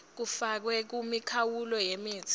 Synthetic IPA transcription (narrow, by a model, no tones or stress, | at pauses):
k̬ufak̬wɛk̬umikʰawulɔjemi̥ːz̥ʰʱʼ